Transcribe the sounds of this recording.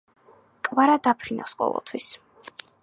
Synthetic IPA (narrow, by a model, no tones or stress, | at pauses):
kʼvaɾad̪apʰɾinʔa̰fsqʼɔ̰vɛ̰lˠt̪ʰwis